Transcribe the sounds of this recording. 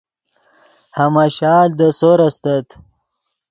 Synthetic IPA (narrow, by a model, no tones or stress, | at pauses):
hɐmaɕaːld̪əsoɾɐst̪ɐt̪